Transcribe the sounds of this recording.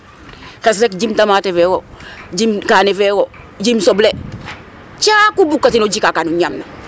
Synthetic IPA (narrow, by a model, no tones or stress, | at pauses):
kes̬ɾekd͡ʒimtamatefewod͡ʒimkanefɛwo | d͡ʒimsoble | t͡ʃakubukːatinod͡ʒikakanuɲamna